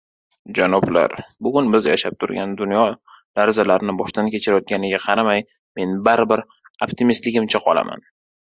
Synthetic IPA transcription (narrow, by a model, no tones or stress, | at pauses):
d͡ʒanɒbla̰ɾbʊɡʊnbɪzja̰ʃap̚t̪ʰʊɾɡʲand̪ʊnjɒ | laɾzalaɾnɪbɒʃt̪ankʲʰe̞t͡ʃʰɪɾajɒt̪̚ɡʲanɪɡʲaqʰɑɾamaj | me̞nbaɾbɪɾ | opt̪ɪmist̪lɪɡʲɪmt͡ʃʰaqʰɒlˠa̰ma̰n